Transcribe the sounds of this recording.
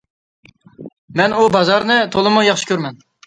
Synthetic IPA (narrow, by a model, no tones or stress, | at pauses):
mɛnubɑzɑɾnɨt̪ʰolˠɨmujɑχʃɪ̥kʲʰøɾmɛn